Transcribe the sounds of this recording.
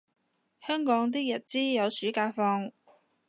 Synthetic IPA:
hœː˥ŋkɔː˨˥ŋt̪̬iː˥jɐ˨˩t̚t͡siː˥jɐ˨˧wsyː˨˥kaː˧fɔː˧ŋ

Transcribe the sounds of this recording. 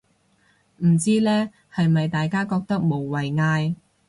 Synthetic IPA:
m̩˨˩t͡siː˥lɛː˥ | hɐ˨jmɐ˨jt̪aː˨jkaː˥kɔː˧k̚t̪ɐ˥k̚mo˨˩wwɐ˨jŋaː˧j

